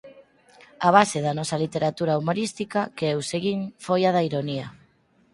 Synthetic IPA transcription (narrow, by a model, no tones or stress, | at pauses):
aβ̞aseðanɔsalit̪eɾat̪uɾaumoɾist̪ikakeewseɣiŋfojaðaiɾonia